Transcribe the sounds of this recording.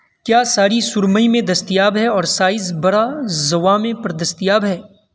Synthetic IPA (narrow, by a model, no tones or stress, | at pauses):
kjaːsaːɾisʊɾməimẽd̪ɐst̪ijaːbɦɛɔːɾsaːɪzbɐɽazɐʋamẽpɐɾd̪ɐst̪ijaːbɦɛː